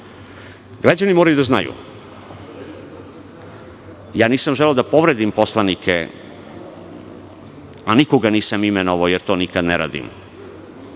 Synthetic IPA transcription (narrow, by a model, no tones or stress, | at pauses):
ɡɾad͡ʑanimoːɾajud̪azna̰jṵ | jaːniːsamʒeleod̪apo̞ʋɾed̪impo̞slˠanikʰḛ | aniko̞ɡaniːsamimeno̞ʋaojeɾt̪o̞ːnikad̪neɾa̰ːd̪ḭm